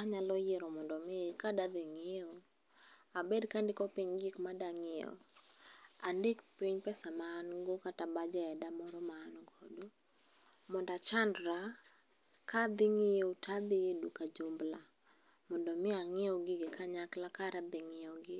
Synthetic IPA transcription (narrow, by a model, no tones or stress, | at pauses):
aɲalɔjɪɾɔmɔndɔmɪkadad̪ɪŋɪo | abɛdkandɪkɔpiɲɡɪkmadaŋɪo̰ | andɪkpiɲpɛsamaːnɡokatabad͡ʒɛɛdamɔɾɔmaːnɡodu | mɔndat͡ʃandɾa | kad̪ɪŋɪotad̪ɪedukad͡ʒombla | mɔndɔmɪaŋɪɔɡɪɡɪkaɲaklakaɾad̪ɪŋɪɔɡɪ